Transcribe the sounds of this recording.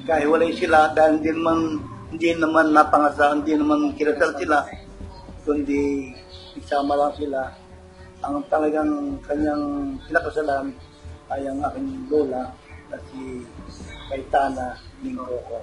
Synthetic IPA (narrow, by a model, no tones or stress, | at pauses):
kaɦiwalaisiladandinmannd͡ʒinəmanːapaŋasandiənəmankilat̪əlsilah | t̪ʊndi | isamalaŋsila | aŋt̪alaɡaŋkaɲaŋsilakəsalan | ajaŋakanlolaŋ | nasi | kait̪ananiŋɾoko